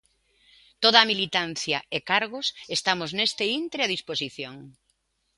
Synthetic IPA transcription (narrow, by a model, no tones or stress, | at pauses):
t̪oðɐːmilit̪an̟θjɐekaɾɣ̞ʊsest̪amʊznest̪eint̪ɾeaðisposiθjoŋ